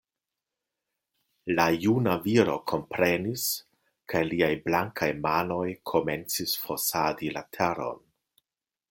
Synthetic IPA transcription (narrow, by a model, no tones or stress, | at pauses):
lajunaviɾo̞kʰo̞mpɾenis | kʰaliajblaŋkʰajmano̞jkʰo̞me̞nt͡sisfosadilatʰeɾo̞̰n